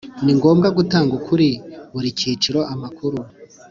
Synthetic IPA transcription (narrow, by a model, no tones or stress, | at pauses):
niŋɡo̞ːmɡaɡutaːŋɡukʰuɾiβuɾiciːt͡ʃiɾo̞ʔamakuɾu